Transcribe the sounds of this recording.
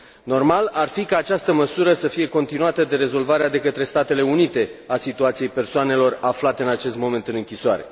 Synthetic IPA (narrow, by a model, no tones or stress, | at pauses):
no̞rmalarfikaːt͡ʃast̪əməsuɾəsəfije̞ko̞nt̪inuat̪əd̪e̞ɾe̞zo̞lvaɾead̪e̞kət̪ɾe̞st̪at̪e̞le̞unit̪e̞asit̪uat̪sije̞jpe̞rsoane̞lo̞raflat̪e̞ɨnat͡ʃe̞st̪̚mo̞me̞nt̪ɨnɨŋkʲisoaɾe̞̰